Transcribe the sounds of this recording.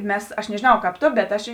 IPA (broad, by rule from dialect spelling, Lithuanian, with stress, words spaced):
ˈmʲɛs ɐʃ nʲɛʒʲeːˈnɐʊ kɑːp ˈtoː bʲɛt ˈɐʃ iː